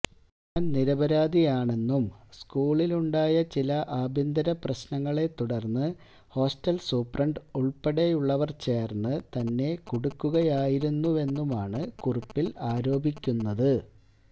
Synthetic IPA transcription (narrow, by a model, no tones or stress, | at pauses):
ɲanniɾɐbɐɾaːd̪ijaːɳe̞nːumskuːɭiluɳɖaːjɐt͡ɕilɐʔaːbʱind̪ɐɾɐprɐɕnɐŋːɐɭe̞t̪ːuɽɐrnːɨ | ho̞ːsʈɐlsuːprɐɳɖuɭpeɽe̞juɭːɐʋɐrt͡ɕe̞ːrnːɨt̪ɐnːe̞kuɽukːuɣɐjaːjiɾunːue̞nːumaːɳɨkurupːilaːɾo̞ːbʱikʲːunːɐðɨ